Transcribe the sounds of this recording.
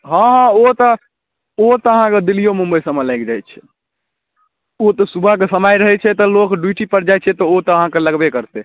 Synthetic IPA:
ɦãɦot̪ɔ | ot̪ɔəɦãked̪ilijomũmbəjsəmːelajkd͡ʒajt͡ʃʰɛ̥ | ot̪ɔsubʱakesəmajɾəɦɛt͡ʃʰɛt̪ɔlokɖuʈipəɾd͡ʒajt͡ʃʰɛt̪ɔot̪ɔəɦãkeləɡbekəɾt̪ɛ

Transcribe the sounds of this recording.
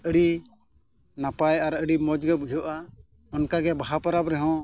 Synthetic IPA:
əɾi | napajaɾəɽimɔd͡ʒɡɛbud͡ʒʱɔʔa | ɔnkaɡɛbaɦapaɾapɾɛɦɔ̃

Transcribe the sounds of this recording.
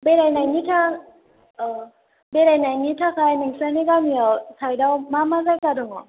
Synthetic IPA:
beɾajnajnitʰa | beɾajnajnitʰakʰajnɯŋsanekamiɔwsʰajdawmamazajkadɔŋɔ

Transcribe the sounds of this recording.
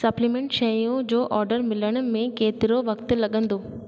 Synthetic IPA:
sɐplimẽɳʈʃɐjũd͡ʑoːʔɔːɾɖəɾmɪləɽ̃ʊ̆mẽkeːt̪ɪɾoʋɐkt̪̆lɐɠə̃nd̪oː

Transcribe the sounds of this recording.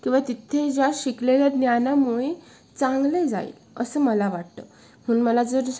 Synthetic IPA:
kĩw̃ʋat̪it̪ʰed͡ʑjaɕikleljad̪njanamuɭe | t͡sãŋɡled͡za̰ḭl | ə̰səːməlaʋaʈ̚t̪ə̰ | m̤uːɳməlad͡zəɾ

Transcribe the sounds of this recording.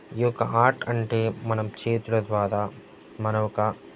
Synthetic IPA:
iɔkɐʔaːɾʈɐɳʈe̞ːmɐnɐmt͡ʃe̞ːt̪uɽɐd̪ʋaːɾaː | mɐnɐɔkɐ

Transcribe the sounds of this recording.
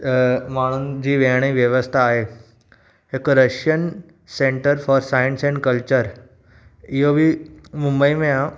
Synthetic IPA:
m̤aɽ̃uːnd͡ʑiːʋeɽ̃iʋjəʋəst̪ʰaːɦe | ekɾəʃjən | sẽɳʈəɾfɔːɾsajənsɛ̃ɳɖkəlt͡ɕəɾ | iɦobʱiːmumbəimẽã

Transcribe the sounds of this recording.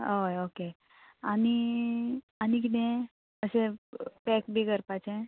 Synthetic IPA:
ooke | ani | anik̬it̪ẽ | əsepɛkbʱikəɾpat͡sẽ

